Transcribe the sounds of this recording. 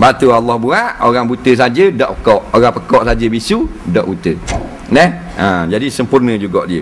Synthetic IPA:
bat̪ualːɔhbuaʔoɾaŋbut̪əs̬ad͡ʒədɔʔpə̥kɔʔoɣaŋpəkɔʔsad͡ʒəbisu | dɔʔbut̪ə | nɛ | əd͡ʒadisəmpurnəd͡ʒuɡɔʔdiə

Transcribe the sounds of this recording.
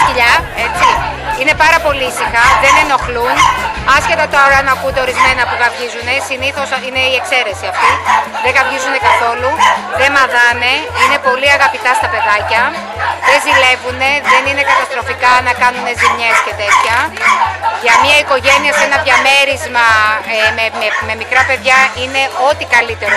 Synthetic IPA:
iʎɐe̞t͡si | ine̞pɐɾɐpo̞liisixɐðe̞ne̞no̞xlunɐsçe̞t̪ɐt̪oɐɾɐnɐkund̪e̞o̞ɾizme̞nɐpuɣɐvʝizune̞siniθo̞sine̞ie̞kse̞ɾe̞siɐft̪iðeɣɐvʝizune̞kɐθo̞luðe̞mɐðɐne̞ine̞po̞liɐɣɐpit̪ɐst̪ɐpe̞ðɐcɐ | ðe̞zile̞vune̞ðe̞nine̞kɐt̪ɐst̪ɾo̞fikɐnɐkɐnune̞zimɲe̞sce̞t̪e̞t̪çɐ | ʝɐmɲɐiko̞ʝe̞niɐse̞nɐðʝɐme̞ɾizmɐemememe̞mikɾɐpe̞ðʝɐine̞ʔo̞t̪ikɐlit̪e̞ɾo

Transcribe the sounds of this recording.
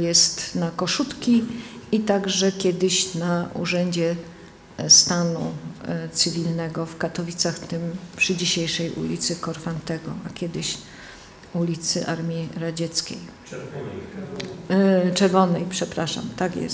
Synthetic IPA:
jɛst̪nakɔʂut̪kʲiit̪aɡʐɛkʲjɛd̪ɘɕnaṵʐɛɲd͡ʑɛ | st̪anṵt̪sɘvʲilnɛɡɔfkat̪ɔvʲit̪saxt̪ɘmpʂɘd͡ʑiɕejʂɛjʔṵlʲḭt̪sɘkɔɾfant̪ɛɡɔakʲjɛd̪ɘɕ | ulʲit̪sɘ̰ʔaɾmʲiɾad͡ʑɛt̪skʲḛj | t͡ʂɛɾvɔnɛjpʂɛpɾaʂa̰mt̪akʲjɛ̰s

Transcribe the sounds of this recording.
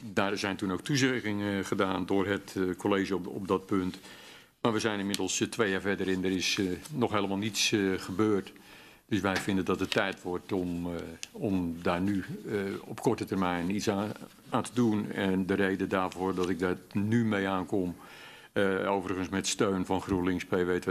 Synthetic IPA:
daːrzɛjntunowk̚tuzɪɣɪŋəχədaːndʊːrɦətkʰoleːʒəɔ̰p̚dɔt̚pønt | maːʋəzɛjnɪnmɪdəl̩ˠstʋejaːvɛdəɾɪndərɪsnɔxɦeːləmalˠnitsχəbøːrt | d̥øsʋɛjfɪndəndɔtətːɛjtʋɔrtɔm | ɔmdaːrnyɔpkɔrtətərmɛjnits | aːntədunɛndərejdəndaːrvoːrdɔtɪɡ̚datnymejaːnkɔm | owvərəɣənsmɛtstøːnfɑnxruəlɪŋspejʋejtʋə

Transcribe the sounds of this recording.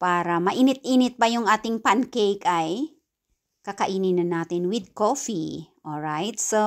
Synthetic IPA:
paːɾɐmɐʔiːnɪt̪ʔiːnɪt̪̚bɐjʊŋʔaːt̪ɪŋpankejkaj | kɐkɐʔiːninɐnːaːt̪ɪnwɪd̪̚kofiʔoɹajt̪so

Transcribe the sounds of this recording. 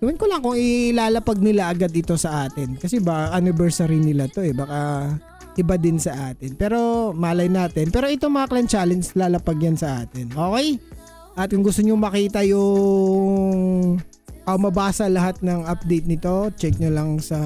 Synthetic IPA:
ɡ̥ɐwɪnkolɐŋkʊŋɪlaːlɐpɐɡ̚nɪlaʔɐɡad̪ɪt̪o̞sɐʔaːt̪ɪnkɐsɛbaʔɐnɪbɛɹsɐɾinɪlat̪o̞ʔɛbaːkɐ | ʔɪbad̪ɪnsɐʔaːt̪ɪnpɛːɾo̞maːlɐjnaːt̪ɛnpɛːɾo̞ʔɛt̪o̞ŋmɐŋɐklɐnt͡ʃaːlɛnd͡ʒlaːlɐpɐɡjɐnsɐʔaːt̪ɪnʔo̞ːkɛj | ʔɐt̪̚kʊŋɡʊst̪oɲomɐkiːt̪ɐjʊ | ŋŋ | ʔomɐbaːsɐlɐɦat̪̚nɐŋɐp̚d̪ɛjt̪̚nɪt̪o̞t͡ʃɛk̚ɲolɐŋsɐ

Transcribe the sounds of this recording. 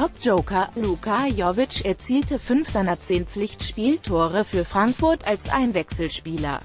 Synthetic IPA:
tʰɔp̚ʒ̥oʊkɐluːkʰajɔvɪt͡ʃɛɐt͡siːltəfʏnfz̥aɪnɐt͡seːnp͡flɪçtʃpiːltʰoːʁəfyːɐfʁ̥aŋkfʊɐtalsʔa̰ɪnvɛksl̩ʃpiːlɐ̰

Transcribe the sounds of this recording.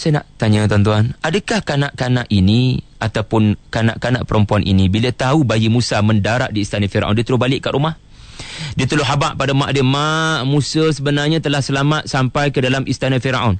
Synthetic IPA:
sana̰ʔt̪aɲət̪ɔnt̪uanadəkahkanaʔkanaʔiniat̪awpʊnkana̰ʔkanaʔpəɾəmpuanʔḭnĩbilət̪aubajimũsamə̃ndaɾaʔdiːst̪anafiɾa̰ʔɔ̰ndiət̪əlʊbalɪʔkːaʔɾumah | diət̪əlʊɦabaʔpadəmaʔdiəmaʔmũsəsəbənarɲãt̪əlahsəlamat̪̚sampajkədalamʔist̪anafiɾa̰ʔɔn

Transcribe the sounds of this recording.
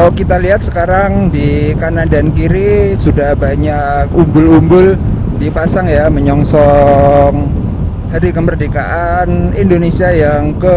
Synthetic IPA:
wkit̪aliɦat̪̚sə̥kaɾaŋdikanadankiɾisudahbaɲakumbʊlumbʊl | dipasaŋjaməɲɔŋsɔŋ | haɾikəmərdika̰ʔanindonesiajaŋkə

